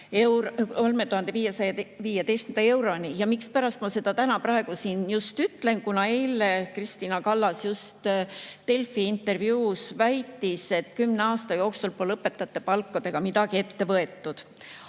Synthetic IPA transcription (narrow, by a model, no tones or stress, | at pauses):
ewɾolmet̪uhɑnd̪e̞viːjesɑjɑviːjet̪e̞jst̪kymd̪ɑe̞wɾo̞nijɑmikspæɾɑst̪mɑse̞d̪̥ɑt̪ænɑprɑeɡ̥usinjust̪yt̪ːˑle̞nkunɑe̞jlekrist̪iːnɑkɑlːɑsjust̪ːe̞lfiint̪ːˑe̞rvjuːsvæjt̪ːˑise̞t̪ˑkymneɑːst̪ɑjo̞ːksulpolɤpːˑe̞t̪ːˑɑt̪ːˑepɑlkːɑd̪e̞ɡ̥ɑmid̪ɑɡ̥iet̪ːe̞vɤe̞t̪ːˑud̪̥